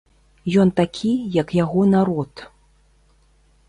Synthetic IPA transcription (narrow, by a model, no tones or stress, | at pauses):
jɔnt̪akʲʰijɐkjaɣɔnaɾɔt̪